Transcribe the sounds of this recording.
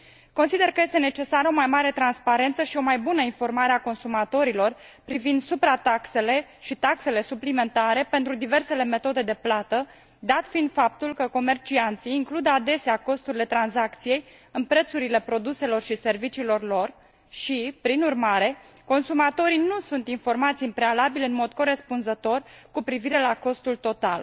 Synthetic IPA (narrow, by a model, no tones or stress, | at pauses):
ko̞nsid̪e̞rkəje̞st̪e̞ne̞t͡ʃe̞saɾo̞majmaɾe̞t̪ɾanspaɾe̞nt̪səʃio̞majbunəinfo̞rmaɾeako̞nsumat̪o̞ɾilo̞rpɾivind̪supɾat̪akse̞le̞ʃit̪akse̞le̞suplime̞nt̪aɾe̞pe̞nt̪ɾud̪ive̞rse̞le̞me̞t̪o̞d̪e̞d̪e̞plat̪ə | d̪at̪fiːnd̪fap̚t̪ulkəko̞me̞rt͡ʃiant̪siːŋklud̪ad̪e̞seako̞st̪uɾile̞t̪ɾanzakt̪sije̞j | ɨnpɾe̞t̪suɾile̞pɾo̞d̪use̞lo̞rʃise̞rvit͡ʃiːlo̞rlo̞r | ʃipɾinurmaɾe̞ | ko̞nsumat̪o̞ɾijnusunt̪info̞rmat̪simpɾe̞alabilɨnmo̞d̪̚ko̞ɾe̞spunzət̪o̞rkupɾiviɾe̞lako̞st̪ult̪o̞t̪a̰l